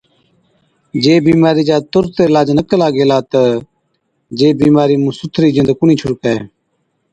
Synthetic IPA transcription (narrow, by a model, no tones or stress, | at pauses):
d͡ʒeːbiːmaːɾiːd͡ʒaːt̪ʊɾt̪eːlaːd͡ʒnəkəlaːɡeːlaːt̪ə | d͡ʒeːbiːmaːɾiːmũːsʊt̪ʰɾiːd͡ʒɪ̃nd̪kʊniːt͡ʃʰʊɽkaeː